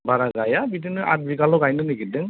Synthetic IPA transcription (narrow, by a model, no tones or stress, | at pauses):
baɾaɡajabitinɯʔa̰t̚bikalɔɡajnɯniɡidɯŋ